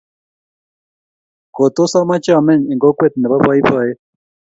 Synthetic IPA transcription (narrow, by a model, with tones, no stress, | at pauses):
kɔ˨t̪ɔ˦sa˦ma˦t͡ʃa˦˨mɛ˦˨ɲi˨ŋɡɔ˦kwɛ˦t̪̚nɛ˨βa˦ɸa˦i˦ɸa˦jɛ˦